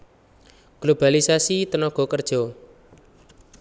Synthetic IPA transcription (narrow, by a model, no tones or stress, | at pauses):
ɡ̥lob̥alisasit̪ənɔɡ̥ɔ̤kərd̥ʒ̥ɔ̤